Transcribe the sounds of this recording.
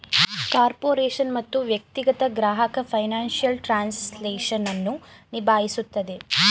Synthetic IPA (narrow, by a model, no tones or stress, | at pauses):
kaːɾpoːɾeːʂɐnmɐt̪ːuʋjɐk̚t̪iɡɐt̪ɐɡɾaːɦɐkɐpʰɐjnaːnʂijɐlʈɾaːnsleːʂɐnɐnːunibʱaːɦisut̪ːɐd̪e̞